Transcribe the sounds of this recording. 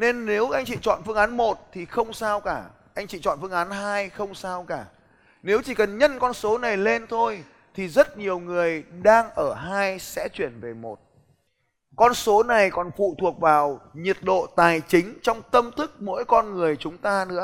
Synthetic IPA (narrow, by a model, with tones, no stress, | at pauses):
ne˧nːe˨˦wʔa˧jŋ̟t͡ɕḭ˧˨t͡ɕɔ̰˧˨nfɨ˧əŋʔaː˨˦nmo˨˩t̚t̪ʰi˨˩xə˧wŋ͡msaː˧wkaː˧˩ | ʔa˧jŋ̟t͡ɕḭ˧˨t͡ɕɔ̰˧˨nfɨ˧əŋʔaː˨˦nɦaː˧jxə˧wŋ͡msaː˧wkaː˧˩ | ne˨˦wt͡ɕi˧˩kə˨˩nɲə˧nkɔ˧nso˨˦na˨˩jle˧nt̪ʰo˧j | t̪ʰi˨˩zə˦˥t̚ɲi˨˩əwŋɨ˨˩əjɗaː˧ŋʔəː˧˩ɦaː˧jsɛ̰˧˥t͡ɕwi˧˩ənve˨˩mo˨˩t̚ | kɔ˧nso˨˦na˨˩jkɔ˨˩nfṵ˧˨t̪ʰu˨˩ək̚vaː˨˩wɲi˨˩ət̚ɗo̰˧˨t̪aː˨˩jt͡ɕï˨˦ŋ̟t͡ɕɔ˧wŋ͡mt̪ə˧mt̪ʰɨ˦˥k̚mo̰˧˥jkɔ˧nŋɨ˨˩əjt͡ɕʊ˨˦ŋ͡mt̪aː˧nɨ̰˧˥ə